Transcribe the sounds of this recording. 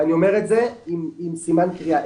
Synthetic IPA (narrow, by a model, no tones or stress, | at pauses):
anio̞me̞ʁetzeimimsimankʁiaʔ